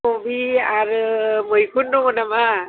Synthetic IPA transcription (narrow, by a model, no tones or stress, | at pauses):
obiaɾɯmɯjkʰunːɔŋɔnama